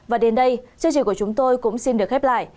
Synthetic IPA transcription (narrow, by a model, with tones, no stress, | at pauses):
vaː˨˩ɗe˨˦nɗə˧jt͡ɕə˧t͡ɕḭ˧˨kət͡ɕʊ˨˦ŋ͡mt̪o˧jkʊ̰˧˥ŋ͡msi˧nɗɨ˨˩ək̚hɛ˦˥p̚la̰ː˧˨j